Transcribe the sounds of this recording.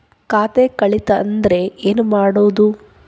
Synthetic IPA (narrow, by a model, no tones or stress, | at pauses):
kaːt̪ekɐɭit̪ɐ̰ːnd̪ɐɾe̞eːnumaːɽoːd̪u